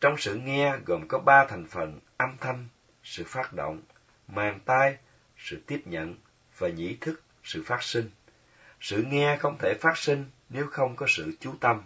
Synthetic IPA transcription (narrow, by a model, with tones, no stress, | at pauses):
t͡ɕɔ˧wŋ͡msɨ̰˧˨ŋɛ˧ɣo˨˩mkɔ˨˦ɓaː˧t̪ʰa˨˩jŋ̟fə˨˩nʔa˧mt̪ʰə˧m | sɨ̰˧˨faː˦˥t̚ɗo̰˧˨wŋ͡m | maː˨˩ŋt̪aː˧j | sɨ̰˧˨t̪i˦˥əp̚ɲə̰˧˨n | vaː˨˩ɲḭ˧˥t̪ʰɨ˦˥k̚ | sɨ̰˧˨faː˦˥t̚sï˧ŋ̟ | sɨ̰˧˨ŋɛ˧xə˧wŋ͡mt̪ʰe˧˩faː˦˥t̚sï˧ŋ̟ne˨˦wxə˧wŋ͡mkɔ˨˦sɨ̰˧˨t͡ɕu˨˦t̪ə˧m